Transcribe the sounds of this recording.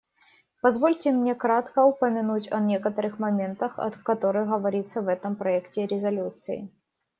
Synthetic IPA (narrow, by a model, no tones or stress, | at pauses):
pɐzvo̞lʲtʲɪmnʲe̞kɾat̪kəʊpəmʲɪnutʲɐnʲe̞kət̪əɾɨxmɐmʲe̞nt̪əxɐ̰t̪kɐt̪o̞ɾɨjɣəvɐɾʲit̪səvɛt̪əmpɾɐɛktʲɪɾʲɪzɐlʲut̪sɨ̰ɪ̰